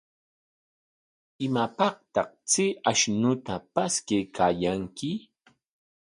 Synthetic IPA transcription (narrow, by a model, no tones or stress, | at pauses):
ɪmapɑχt̪ɑqt͡sɪaʃnʊt̪apaskejkʰaːjaŋkɪ